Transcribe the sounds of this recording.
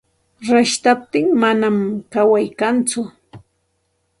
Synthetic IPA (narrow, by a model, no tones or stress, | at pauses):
ɾaʃt̪ap̚t̪ɪŋmanamkawajkant͡sʊ